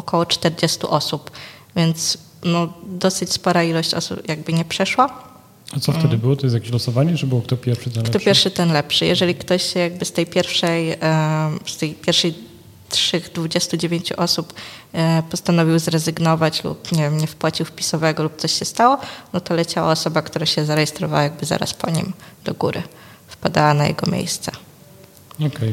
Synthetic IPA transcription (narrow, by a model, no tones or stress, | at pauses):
ɔkʰɔwɔt͡ʂt̪ɛɾd͡ʑɛst̪ṵʔɔsupvʲjɛnt̪s | nɔd̪ɔsɘt͡ɕspɔɾailɔɕt͡ɕɔ̰sṵpjaɡ̚bɘɲɛpʂɛʂwa | at̪sɔft̪ɛd̪ɘbɘwɔt̪ɔjs̬jakʲeɕlɔsɔvaɲɛt͡ʂɨbɘwɔk̚t̪ɔpʲjɛɾfʂɘt̪ɛnkt̪ɔpʲɛɾfʂɘt̪ɛnlɛpʂɘjɛ̰ʐɛlʲikt̪ɔɕɕɛjaɡbɘst̪ɛjpʲjɛɾfʂɛj | st̪ɛjpʲjɛɾfʂɛj | tʂɘɣd̪vud͡ʑɛst̪ud͡ʑevʲjeɲt͡ɕuʔɔsup | pɔst̪anɔvʲiwzɾɛzɘɡnɔvat͡ɕlṵpɲɛvʲjɛmɲɛfpwat͡ɕiwfpʲi̥sɔvɛɡɔlup̚t̪sɔɕɕɛst̪awɔnɔt̪ɔlɛt͡ɕawa̰ɔsɔbakt̪uɾaɕɛzaɾɛjɛst̪ɾɔvawajaɡ̚bɘza̰ɾa̰spɔɲḭmd̪̥ɔɡuɾɘ̰ | fpad̪awanajɛ̰ɡɔmʲjḛjst̪sɛ | ɔkɛj